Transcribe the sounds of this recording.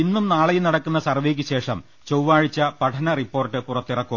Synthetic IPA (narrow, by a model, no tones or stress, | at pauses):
inːumnaːɭɐjinɐɽɐkːunːɐsɐrʋeːk̬ʲːɨɕe̞ːʂɐm | t͡ɕowʋaːɻit͡ɕːɐpɐʈʰɐnɐripːo̞ːrtːɨpurɐt̪ːirɐkːum